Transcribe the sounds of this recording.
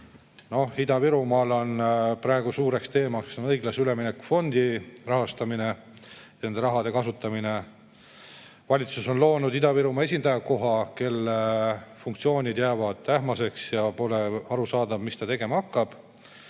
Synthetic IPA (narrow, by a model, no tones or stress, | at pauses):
no̞id̪ɑviɾumɑlo̞npɾɑe̞ɡ̥usuːɾe̞kst̪e̞ːmɑkssonɤjɡlɑseyle̞minekːufo̞nd̪̥irɑɦɑst̪ɑmine̞ | ne̞nd̪e̞ɾɑɦɑd̪e̞kɑsut̪ːˑɑmine̞ | vɑlʲit̪suso̞nlo̞ːnud̪̥id̪̥ɑviɾumɑe̞s̬ʲind̪̥ɑjɑko̞ɦɑke̞lːefuŋk̚t̪sio̞ːnʲid̪̥jæːvɑd̪̥t̪æhmɑse̞ksjɑpo̞le̞ɑɾusɑːd̪ɑv̥mist̪ɑt̪e̞ɡe̞mɑɑkːɑb̥